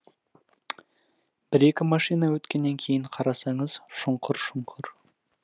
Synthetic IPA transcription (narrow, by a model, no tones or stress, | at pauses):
b̥ɪɾe̞kʲɪmɑʃijnɑwɵt̪kʲe̞nːe̞ŋkʲʰe̞jɪɴqʰɑɾɑsɑɴəz̥ʃʊɴqʰʊɾʃʊɴqʰʊɾ